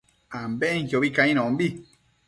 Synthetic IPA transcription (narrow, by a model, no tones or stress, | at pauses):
ãmbẽŋjjoβikaĩñõmbi